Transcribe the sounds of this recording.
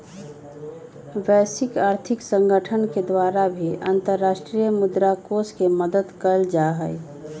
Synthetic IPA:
ʋɛːsɪkaːɾt̪ʰɪksə̃ŋɡəʈʰənked̪waːɾabʱiã̰nt̪əɾːaːʃʈɾijəmʊd̪ɾakoskeməd̪əd̪kəld͡ʒaɦə

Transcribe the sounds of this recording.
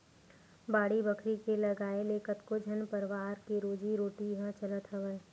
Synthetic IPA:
baːɽibəkʰɾikelɐɡaːeleːkət̪kod͡ʒʱɐnpəɾʋaːɾkeɾoːd͡ʒiɾoːʈiɦə̃t͡ʃɐlət̪ɦɐʋə

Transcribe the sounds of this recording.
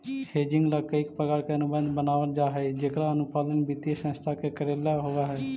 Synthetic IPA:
heːd͡ʒɪ̃ŋɡləkəɪkpəɡəɽkeənʊbə̃nd̪ʱbənaːʋəld͡ʒaːɦɛd͡ʒekɾaənʊpaːlənbɪt̪jesə̃st̪ʰakekəɾeːlaɦoʋaɦɛː

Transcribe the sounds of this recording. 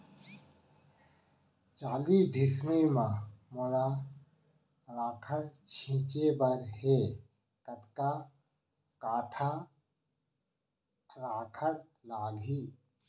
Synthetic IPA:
t͡ʃaːliːɖʱɪsmimãmola | ɾaːkʰəɽt͡ʃʰĩːt͡ʃebəɾɦeː | kət̪kaː | kaːʈʰaː | ɾaːkʰəɽ | laːɡɦiː

